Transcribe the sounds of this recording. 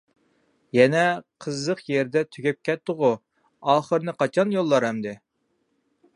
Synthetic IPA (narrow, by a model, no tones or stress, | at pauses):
jɛnɛqʰəzːəqjeɾd̪ɛt̪ʰyɡʲɛp̚kʲʰɛt̪ːʊʁʊ | ɑːχəɾnɨqɑt͡ʃʰɑnjolˠːɑɾɛmd̪ɪ